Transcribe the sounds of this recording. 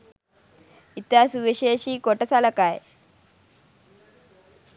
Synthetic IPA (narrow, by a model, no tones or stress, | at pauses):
it̪asuʋiʃeːʃiːkoʈɐsalɐkaj